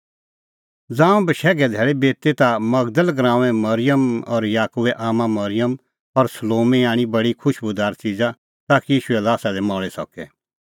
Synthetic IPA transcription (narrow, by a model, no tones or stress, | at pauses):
d͡zãːũbəʃɛːɡɛd̪ʱɛːɭebeːt̪et̪amɐɡd̪əlɡɾãːʋɛ̃mɐɾɪjəmɔɾjaːkuʋɛʔaːmãmɐɾɪjəm | ɔɾsəloːmɛjaːɽ̃ibɐɽikʰʊʃbʊd̪aːɾt͡sid͡za | t̪aːkijiːʃʊɛlaːsad̪ɛmɔ̃ːɭɛsɔ̰kɛː